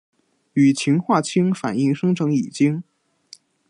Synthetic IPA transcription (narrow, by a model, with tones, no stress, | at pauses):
y˨˩t͡ɕʰi˧˥ŋxwa˥˩t͡ɕʰi˥ŋfa̰˨˩ni˥˩ŋʂɤ˥ŋʈ͡ʂʰɤ˧˥ŋi˨˩t͡ɕi˥ŋ